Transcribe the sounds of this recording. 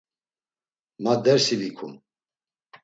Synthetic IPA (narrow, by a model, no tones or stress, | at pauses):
mad̪ɛɾsivikʰṵm